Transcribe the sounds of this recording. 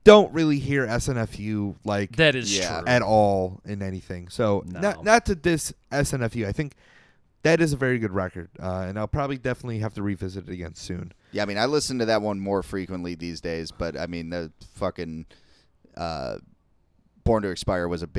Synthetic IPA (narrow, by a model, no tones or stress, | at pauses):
d̥õʊ̃nʔɹɪlˠiɦiɹɛsɛ̃nɛfjʉlaɪkðɨɾɨzjæɨɾɔlˠɨ̃nɛniθɪ̃ŋsoʊnənətʰɨðɪsʔɛsɛ̃nɛfjʉaɪθɪ̃ŋk̚ | ðɨɾɨzɨvɛɹiɡʊd̚ɹɛkə˞d̥̚ʌɨ̃naɪpʰɹ̥ɑbəblidɛfənətˡliɦæftɨɹivɪzɨɾɨɾɨɡɛ̰̃nsʉ̰̃n | jæaɪmĩnaɪlɪsn̩tɨðɨt̚wʌ̃nmɔɹfɹikwə̃nʔliðizdeɪzb̥ʌɾa̰ɪmĩnðɨfʌkɨ̃n | ʔʌ̰ | b̥ɔɹntɨɨkspaɪə˞wʌzɨb